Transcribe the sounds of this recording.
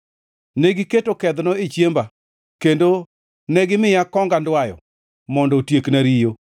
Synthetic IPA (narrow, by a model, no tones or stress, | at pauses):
neɡiketokɛd̪nɔet͡ʃjemba | kendo | nɛɡɪmɪjakɔŋɡandwajɔ̰ | mɔndɔtjeknaɾijo